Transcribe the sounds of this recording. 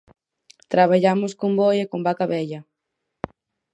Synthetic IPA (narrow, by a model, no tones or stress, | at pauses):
t̪ɾaβaʎamʊskombojekombakaβɛʎɐ